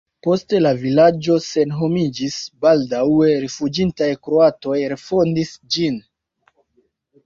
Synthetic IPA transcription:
po̞ste̞lavilad͡ʒo̞se̞nɦo̞mid͡ʒisbaldawe̞ɾefud͡ʒintajkɾo̞ato̞jɾefo̞ndisd͡ʒin

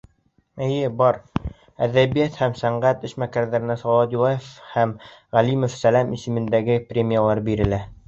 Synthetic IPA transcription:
ɘ̆jɘbɑɾ | æðæβijæt̪hæmsæɴɢæt̪ɘʃmækæɾðæɾɘ̆næsɒlˠɑd̪ulˠɑjefhæmʁælimofsælæmisɘ̆mɘ̆nd̪æɡɘprʲemʲijalˠɑɾbiɾɘ̆læ

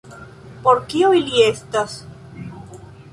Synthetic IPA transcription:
poɾkiojliest̪as

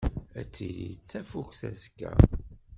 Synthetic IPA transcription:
æt͡sːilḭt͡sːæfukθæskːæ̰

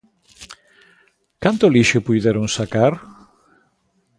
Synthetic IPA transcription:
kant̪oliʃʊpujðeɾuŋsakaɾ

